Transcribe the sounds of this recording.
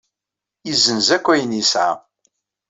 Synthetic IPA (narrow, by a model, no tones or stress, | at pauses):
jizənzækʷːæjənisʕa̰